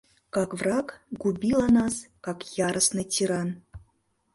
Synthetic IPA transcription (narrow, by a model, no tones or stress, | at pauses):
kɑkvrɑkɡubʲilˠɑnɑskɑkjɑɾəsnɤtʲiɾɑn